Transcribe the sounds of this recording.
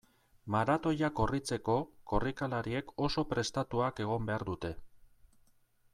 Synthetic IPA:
maɾat̪o̞jako̞rit͡se̞ko̞ko̞rikalaɾie̞ko̞so̞pɾe̞st̪at̪uake̞ɣ̞o̞mbe̞aɾd̪ut̪e̞

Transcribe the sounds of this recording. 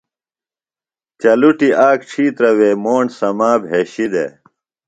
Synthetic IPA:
t͡ɕɐluʈiʔaːkʈ͡ʂʰiːt̪ɾɐweːmoːɳsɐmaːbʱɦeːɕid̪ḛ

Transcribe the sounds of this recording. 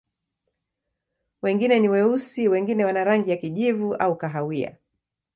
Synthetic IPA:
wɛŋɡinɛniwɛusiwɛŋɡinɛwanaɾaŋɡijakiʄivuaukaɦawia̰

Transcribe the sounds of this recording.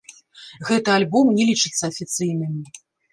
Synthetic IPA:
ɣɛt̪ɨalʲbɔmnʲɛlʲit͡ʂɨt̪sːɐɐfʲit̪sɨjnɨmʲi

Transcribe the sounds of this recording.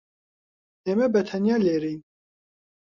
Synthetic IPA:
emɛbɛt̪ʰɛnjɑːleːɾiːn

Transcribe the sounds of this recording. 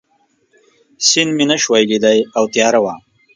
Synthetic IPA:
sinminɐʃwajlid̪ajawt̪jɑːɾawaːm

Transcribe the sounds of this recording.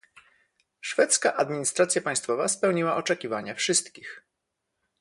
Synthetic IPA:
ʂfɛt̪skaʔad̪mʲiɲist̪ɾat̪sʲjapaj̃st̪fɔvaspɛwɲiwaʔɔt͡ʂɛkʲivaɲafʂɘst̪kʲix

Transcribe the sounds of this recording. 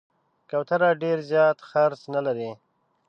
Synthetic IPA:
kawt̪aɾaɖeɾzjɑt̪xaɾsnalaɾi

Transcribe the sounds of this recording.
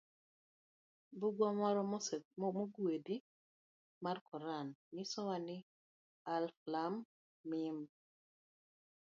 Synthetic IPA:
buɡwamɔɾɔmoɡedi | markɔɾannɪsɔwanɪ | alflamː | ɪm

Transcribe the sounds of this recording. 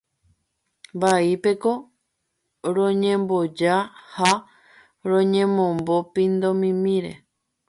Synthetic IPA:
mbaipe̞ko̞ | ɾõɲẽmbo̞d͡ʒaha | ɾõɲẽ̞mõmbo̞pĩnd̪omĩmĩɾe̞̰

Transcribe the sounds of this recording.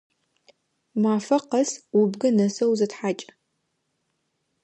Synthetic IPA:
maːfɐqɐswʊbɡɐnɐsɐwzɐtħaːt͡ʃʼ

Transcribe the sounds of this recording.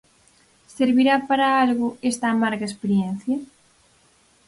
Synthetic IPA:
seɾβiɾapaɾaalɣʊest̪aːmaɾɣaespeɾjen̟θja

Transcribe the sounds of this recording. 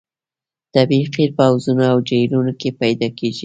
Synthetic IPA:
t̪abiqiɾpawzunaawd͡ʒajlunokepajd̪ɑkeʒi

